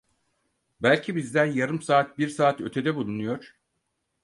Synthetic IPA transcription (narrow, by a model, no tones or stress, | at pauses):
bælʲcʰibizd̪ænjaɾɯmsaːt̪̚biɾsaːt̪ø̞t̪ʰe̞d̪ɛbulˠunujo̞ɾ̥